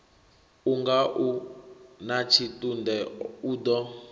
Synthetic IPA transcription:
uŋɡaʔunat͡ʃʰitʼundɛudɔ

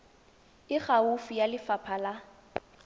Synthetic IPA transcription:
ɪχaufijalɪfapʰala

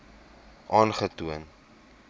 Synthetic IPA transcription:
ʔɑːnχətuən

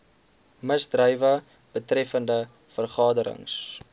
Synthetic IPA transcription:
məzdrœjvə | b̥ətrɛfəndə | fərχɑːdəɾə̰ŋs

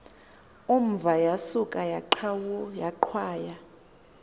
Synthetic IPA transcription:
umb̪vʱajasukʼajaawjaǃʰwaːja

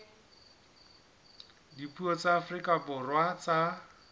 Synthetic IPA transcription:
dipuɔt͡saːfrikʼabʊrwat͡sa

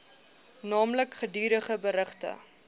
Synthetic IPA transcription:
nɑːmləkχədyːɾəχəbəɾəχtə̰

